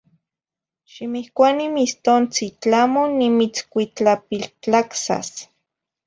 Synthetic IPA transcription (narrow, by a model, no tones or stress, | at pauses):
ʃimihkʷanimist̪ont͡sit͡ɬamonimit͡skʷit͡ɬapiɬt͡ɬaksa̰s